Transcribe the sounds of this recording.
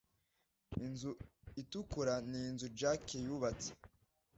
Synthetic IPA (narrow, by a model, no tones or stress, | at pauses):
inzuitukuɾaninzud͡ʒakejuβat͡se̥